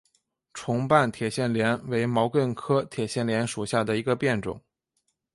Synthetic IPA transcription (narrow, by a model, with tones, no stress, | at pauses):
ʈ͡ʂʰʊ˧˥ŋpa˥˩nt̪ʰjɛ˨˩ɕjɛ˥˩nljɛ˧˥nwe˧˥ɪmɑ˧˥ʊkə˥˧nkʰɤ˥t̪ʰjɛ˨˩ɕjɛ˥˩nljɛ˧˥nʂu˨˩ɕja˥˩d̪ə˩i˧˥ɡə˧pjɛ˥˩nʈ͡ʂʊ̰˨˩˦ŋ